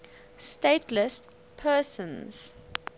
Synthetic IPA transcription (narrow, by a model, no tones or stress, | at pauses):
steɪtʰlɪs | pʰɜːsə̃nz̥